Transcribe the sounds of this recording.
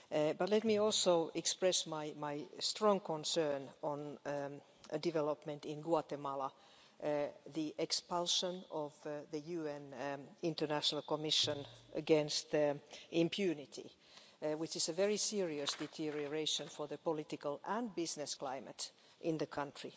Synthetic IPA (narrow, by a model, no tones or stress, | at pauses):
bʌtˡlɛt̪̚miɔlˠsoʊɛkspɹɛsmaɪmaɪstɹɔ̃ŋkʰɔ̃nsɜ˞nə̃n | dɪvɛləpmɨ̃ntɪ̃nɡwɑt̪ɛmɑla | ðiʔɛkspalˠʃə̃nɔvðɨjʉɛ̃nɪ̃ntə˞næʃənəlˠkɔmɪʃə̃nʔə̰ɡɛ̃nst̪ʔɪ̃mpʰjʉnɪtʰḭ | wɪt͡ʃɪsəvɛɹisiɹiɨsd̥ɛtʰiɹioɹeɪʃə̃nfɔ˞ðəpɔlɪt̪ɪkəlæ̃nbɪznɨskl̥aɪmə̰t | ʔɪ̃nðəkʰʌ̃ntɹ̥i